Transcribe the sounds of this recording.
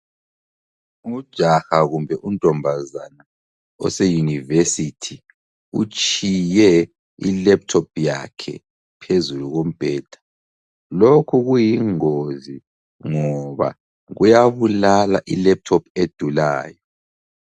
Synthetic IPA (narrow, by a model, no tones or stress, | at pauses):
ud̥ʒ̥ʱaxaɣumbʱɛʔuntʼɔmbʱazana | ɔ̰sɛjunivesitʰi | ut͡ʃʰʼijɛ | ḭlɛp̚tʰɔp̚ʰja̰kʰɛ̰ | pʰezuluɣom̩b̥ʱɛːd̥ʱḁ | lokʰuɣujiŋozi | ŋɔβa̰ | ɣujaβulalaʔilɛp̚tʰɔpʰed̥ʱula̰ːjɔ